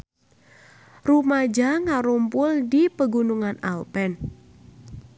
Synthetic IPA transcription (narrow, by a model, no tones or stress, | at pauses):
rumad͡ʒaŋaɾumpʊldipəɡunuŋana̰lpɛn